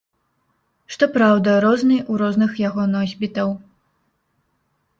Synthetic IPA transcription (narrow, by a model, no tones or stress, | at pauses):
ʂt̪ɔpɾawd̪ɐɾɔznɨjʔuɾɔznɨxjaɣɔnɔzʲbʲit̪ɐw